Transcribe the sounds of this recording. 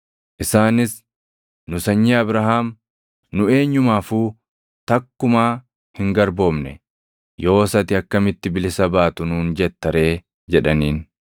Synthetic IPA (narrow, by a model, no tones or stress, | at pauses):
ʔɪsaːnɪs | nʊsɐɲːiɐbɾɐɦaːm | nʊe̞ːɲːʊmaːfuː | t̪ɐkːʊmaː | hɪŋɡɐɾbo̞ːmnɛ̰ | jo̞ːsɐt̪ɪɐkːɐmɪt̪ːɪbɪlɪsɐbaːt̪ʊnuːnd͡ʒɛt̪ːɐɾe̞ː | d͡ʒɛᶑɐniːn